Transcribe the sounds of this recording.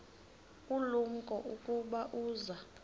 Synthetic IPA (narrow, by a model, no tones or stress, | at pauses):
ulum̩kʼɔʔukʼuɓaʔuːza